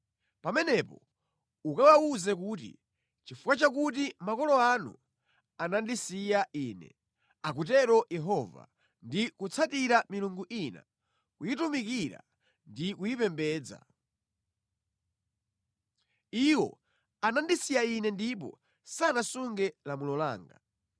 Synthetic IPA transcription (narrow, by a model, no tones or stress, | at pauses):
pamɛnɛpɔ̰ | ukawauzɛk̬uːt̬ḭ | t͡ʃifukwat͡ʃakut̬imakɔlɔanṵ | anandisijaʔiːnɛ̰ | ak̬ut̬ɛɾɔjɛɦɔva̰ | ndikut͡sʰatiɾamiluŋɡuʔina̰ | kujitumikiɾa̰ | ndikujipɛmbɛːd͡za̰ | iwɔ̰ | anandisijainɛndip̬ɔ̰ | sanasuŋɡɛlamulɔla̰ːŋɡa̰